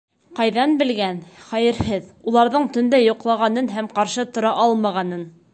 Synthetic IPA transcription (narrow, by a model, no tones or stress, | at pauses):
qɑjðɑnbɘ̆lɡænχæjɘ̆ɾhɘðulˠɑɾðɤɴt̪ɵ̆nd̪æjŏqlˠɑʁɑnɤnɦæmqɑɾʃɤt̪ŏɾɑʔɑlˠmɑʁɑnɤn